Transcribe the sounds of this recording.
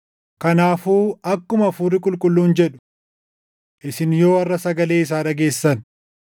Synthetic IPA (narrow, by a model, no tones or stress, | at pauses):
kɐnaːfuːɐkːʊmɐfuːrːɪkʼʊlkʼʊlːuːnd͡ʒɛᶑʊ̥ | ʔɪsɪnjo̞ːɐrːɐsɐɡɐle̞ːɪs̬aːɾɐɡe̞ːsːɐn